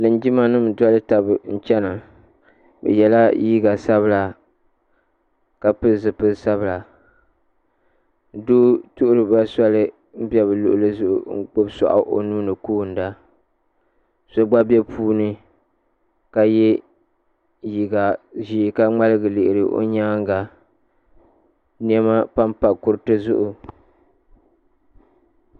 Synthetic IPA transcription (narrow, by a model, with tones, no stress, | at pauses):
lɨ˨n˦d͡ʒi˦ma˨nɨ˦m˨da˦lɨ˦ta˨bɨ˨n̩˦t͡ʃɛ˦na˨ | bɛ̰˨jɛ˨la˦ji˦ɡa˨sa˦βɨ˦la˨ | ka˨pɨ˦˨zɨ˨pɨ˦sa˦bɨ˨la˨ | doː˦tʊ˦ʔʊ˦ɾɨ˨ba˦sa˦lɨ˦ | m̩˦bɛ˦βɨ˨lʊ̰˨ʔʊ˨˦lɨ˦zʊ˨ʔʊ̰˨ŋ̩˦k͡po˦bsa̰˨ʔa̰˨ʔo̰˨nuː˦nɨ˨kuː˦˨n̩˨da˦ | so˦ɡ͡ba˦bɛ˦pʰuː˦nɨ˦ | ka˨jɛ˦ | ji˨ɡa˨ʒiː˨ka˦ŋ͡ma˦lɨ˦ɡɨ˨lɪ˨ʔɪ˨ɾɨ˨ʔo̰˦ɲaː˦ŋ˦ɡa˨ | ni˦ɛ˦ma˦pa˦mpa˨kʊ˦ɾtɨ˦zʊ̰˦ʔʊ˨